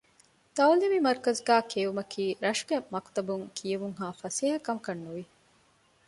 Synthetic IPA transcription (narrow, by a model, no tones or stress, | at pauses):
t̪ɐwliʋimɐɾkɐzɡæːkʰeːʋumɐkʰiːɾɐʃɡemɐkt̪ɐbuŋkʰijɐʋuŋɦaːfɐseːɦɐkɐmkɐnːuʋi